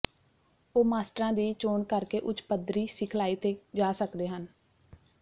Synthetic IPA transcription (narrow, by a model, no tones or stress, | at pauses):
oːmaːsʈəɾãːd̪iːt͡ʃoːɳkəɾkeːʔʊt͡ʃpəd̪ɾiːsɪkʰlaːiːt̪eːd͡ʒaːsəkd̪eːɦən